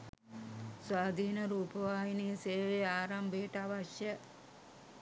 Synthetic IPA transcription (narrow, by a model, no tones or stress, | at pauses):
sʋaːd̪ʱiːnəɾuːpəʋaːɦiniseːʋeaːɾambeʈaʋaʃjə